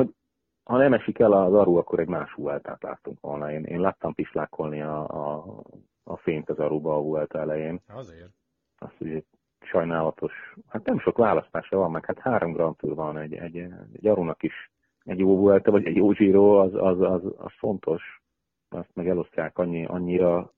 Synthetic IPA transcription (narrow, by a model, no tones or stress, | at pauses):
hoɟ | hɒnɛmɛʃikɛlɒzɒɾuɒkːo̞ɾɛɟmaːʃʋuɛlt̪a̰ːt̪la̰ːt̪ːuŋkʋo̞̰lnɒeːnʔḛːnlaːt̪ːɒmpiʃt̪laːkʰo̞lniɒ | feːnt̪ɒzɒɾubɒːvuɛlt̪ɒɛlɛjeːn | ɒ̰st̪hoɟɛ̥ | ʃɒjnaːlɒt̪ʰo̞ʃhat̪nɛmʃo̞kʋaːlɒst̪aːʃɒvɒmːɛkhat̪haːɾʔo̞mɡrɒnt̪furvɒnɛɟɛ̰ɟɛ̰ɟɒɾunɒkiʃ | ɛɟjoːvuɛlt̪ɛvɒɟɛɟjoːʒiːɾoːɒzɒzɒzɒ̰sfo̞nt̪ʰo̞ʃ | ɒst̪mɛɡɛlo̞st̪jaːkɒɲːiʔɒ̰ɲːiɾɒ